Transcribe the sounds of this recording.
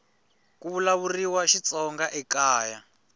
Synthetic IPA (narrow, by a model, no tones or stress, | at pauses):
kuβulaβuriwaʃit͡sɔŋɡaʔɛkaːja